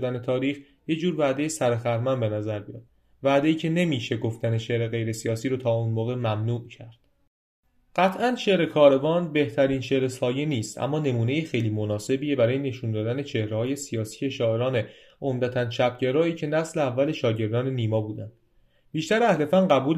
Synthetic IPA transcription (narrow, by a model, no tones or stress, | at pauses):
d̪æne̞t̪ʰɒːɾiːx | je̞d͡ʒuːɾvæʔd̪e̞jesæɾexæɾmænbe̞næzæɾbijɑ̰d̪̚ | væʔd̪e̞iːcʰe̞ne̞miːʃe̞ɡo̞ft̪æne̞ʃe̞ʔɾe̞ɣe̞jɾe̞sijɒːsiːɾoːt̪ʰɒːuːnmoːɣe̞mæmnuːʔcʰæɾd̪̥ | ɢ̥æt̪ʰʔænʃe̞ʔɾe̞kʰɒːɾe̞vɒːnbe̞ht̪ʰæɾiːnʃe̞ɾe̞sɒːjeniːst̪æ̰mːɒːne̞muːne̞jixejliːmo̞nɒːse̞biːebæɾɒːjene̞ʃund̪ɒːd̪æne̞t͡ʃʰe̞hɾehɒːje̞sijɒːsi̥ːeʃɒːe̞ɾɒːne̞ | ʔomd̪æt̪ʰænt͡ʃʰæpɟeɾɒːiːcʰe̞næsleævːæle̞ʃɒːɟe̞ɾd̪ɒːne̞niːmɒːbuːd̪ænd̪̥ | biːʃt̪æɾæhlefænɢæbuːl